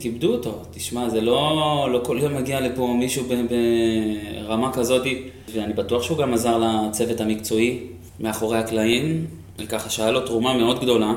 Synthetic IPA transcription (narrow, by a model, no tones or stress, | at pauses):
kibd̪uoto̞tiʃmazelo̞lo̞ko̞ljo̞mːaɡialepomiʃubebe | ʁamakazo̞ti | veanibatuaχʃeuɡamazaʁlat͡se̞vetamikt͡so̞i | meaχo̞ʁehaklaim | ekaχaʃajalotʁumame̞o̞d̪ɡd̪o̞la